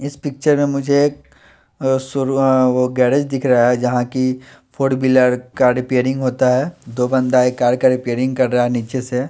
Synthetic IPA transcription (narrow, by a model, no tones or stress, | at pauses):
ɪspɪk̚t͡ʃəɾmẽmʊd͡ʒʱe | sʊoɡɛːɾed͡ʒd̪ɪkʰɾɐaɦɛd͡ʒɐɦãki | fʰoːɖbiləɾkaːɖɪpeːɾɪ̃ŋɡɦoːt̪aɦɛːd̪oːbɐ̃nd̪aeːkːaːɖkaɾɪpeːɾɪ̃ŋɡ̚kɐɾːɐɦaɦɛniːt͡ʃese